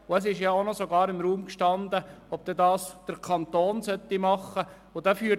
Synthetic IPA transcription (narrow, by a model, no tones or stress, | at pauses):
ʊɛs̬ɪʃjɑonɔsoɡɑːɾɪmɾuːmkʃtɑnd̪əɔb̥̚d̥̪ɛdɑːsd̥əɾkʰɑnt̪oːnsœt̪ːimɑχːə | ʊd̥̪ɛfyː